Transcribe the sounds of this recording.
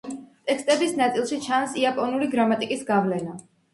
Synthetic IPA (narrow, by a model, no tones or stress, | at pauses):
t̪ʼɛkst̪ʼɛbisnat̪sʼilˠʃit͡ʃʰansiapʼɔnuɾiɡɾamat̪ʼikʼisɡavlɛna